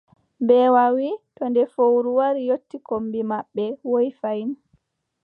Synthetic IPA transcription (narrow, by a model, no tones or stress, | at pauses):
bɛwawitɔndɛfowɾuwaɾijotːikombimaɓːɛwojfajn